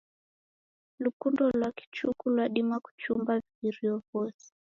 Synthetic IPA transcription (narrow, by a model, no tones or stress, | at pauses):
lukundɔlwaki̥t͡ʃukulwaɗimwaku̥t͡ʃumbaviiɾiɔvɔsɛ̥